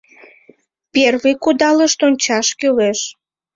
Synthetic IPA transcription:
pervɨjkud̪ɑləʃt̪onʲt͡ɕɑʃkyleʃ

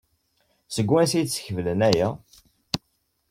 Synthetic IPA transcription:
səɡːænsijt͡sːə̥çəvələnæjæ

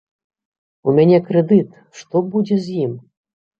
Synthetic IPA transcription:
umʲanʲɛkɾɛd̪ɨt̪ | ʂt̪ɔbud͡zʲɛzʲjim

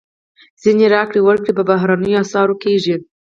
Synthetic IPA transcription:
z̥ineɾɑkɽewəɾkɽepəbaɦɾɑnəjoasɑɾokeʒi

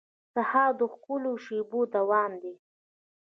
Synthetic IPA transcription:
sahɑd̪əxkuloʃebod̪awɑːmd̪e

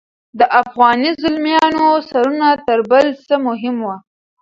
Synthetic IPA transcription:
d̪əʔafɣɑnizʊlmjɑnosaɾunat̪əɾbəlsəmʊɦɪmwa

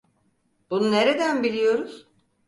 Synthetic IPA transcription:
b̥ununeɾe̞d̪ænbilʲijo̞ɾuz̥

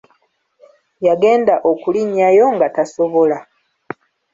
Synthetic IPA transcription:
jaɡe̞ːndaʔokuliɲajo̞ŋɡataso̞βola

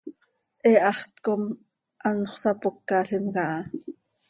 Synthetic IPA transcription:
ʔɛʔɑχt̪̚kom | ʔɑnχʷsɑpokːɑɬimkɑʔɑ

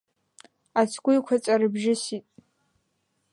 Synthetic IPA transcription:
at͡sʰɡʷʊjkʷʰat͡sʼaɾɨbʒɪsitʼ

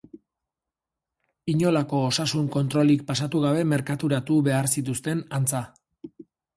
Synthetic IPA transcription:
iɲo̞lako̞ːsasuŋko̞nt̪ɾo̞lik̚pasat̪uɣ̞aβ̞e̞me̞ɾkat̪uɾat̪uβe̞aɾsit̪̬ust̪e̞nant͡sa

